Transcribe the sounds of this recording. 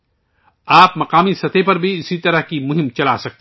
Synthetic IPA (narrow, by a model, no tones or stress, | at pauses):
aːpmɐqaːmisɐt̪ʰepɐɾbʱiɪsit̪ɐɾəɦkimʊɦɪ̃mt͡ʃɐla̰sɐk̚t̪ː